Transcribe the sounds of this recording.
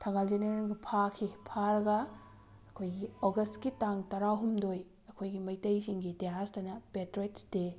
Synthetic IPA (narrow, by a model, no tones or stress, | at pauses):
tʰɐŋald͡ʒeneɾenɡipʰakʰipʰaɾɐɡɐː | kʰojɡioɡɐstɡitaŋtɐɾaɦumdoj | ɐkʰojɡimɐjtɐjsiŋɡiteɦastɐnɐpetɾetsde